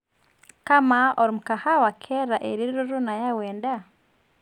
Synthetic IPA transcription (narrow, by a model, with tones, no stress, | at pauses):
ka˦maɔ˨ɾi˨mu˨ka˨ha˦wa˨kʰɛ˦ɾa˨ʔe˨ɾi˦ɾɾu˦ɾu˦na˨ja˦wɛːnda˦